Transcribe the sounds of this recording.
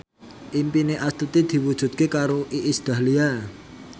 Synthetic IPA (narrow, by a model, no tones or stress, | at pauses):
ʔimpineʔast̪ut̪id̪̥i̤wud̥ʒ̥ṳt̪̚kekaɾoʔiʔisd̪̥a̤lia